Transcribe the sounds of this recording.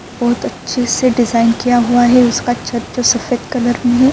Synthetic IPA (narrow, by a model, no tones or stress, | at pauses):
bɔːt̪ɐtːʃʰeseɖɪzaːɪnkijaɦuaɦɛʊskat͡ʃʰɐt̪̚d͡ʒoːsɐfet̪kɐləɾmẽɦɛ